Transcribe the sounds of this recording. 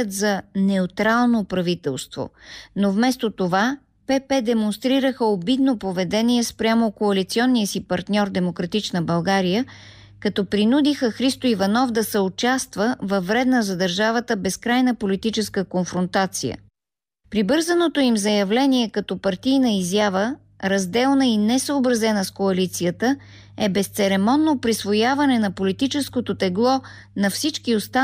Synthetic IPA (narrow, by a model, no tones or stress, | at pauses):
ɛt̪zɐnɛʊt̪ɾalˠnopɾɐvit̪ɛlˠst̪vo̰novmɛst̪ot̪ova | pɛpɛd̪ɛmonst̪ɾiɾəxəobid̪nopovɛd̪ɛniɛspɾʲjamokoɐlit̪siɔnːijəsipɐɾt̪nʲɔɾd̪ɛmokɾɐt̪it͡ʃnəbɐlˠɡaɾijə | kɐt̪ɔpɾinud̪ixəxɾist̪oivɐnɔvd̪ɐsɛot͡ʃast̪vəvɐvːɾɛd̪nəzɐd̪ɐɾʒavət̪əbɛskɾajnəpolit̪it͡ʃɛskəkonfɾont̪at̪sḭjə̰ | pɾibɤɾzənot̪oimzɐjɐvlɛniɛkɐt̪ɔpɐɾt̪ijnəizjavə | ɾɐzd̪ɛlˠnəinɛsəːbɾɐzɛnəskoɐlit̪sijət̪ə | ɛbɛst̪sɛɾɛmɔnːopɾisvojavɐnɛnɐpolit̪it͡ʃɛskot̪ot̪ɛɡlˠɔ | nɐfsit͡ʃkiost̪a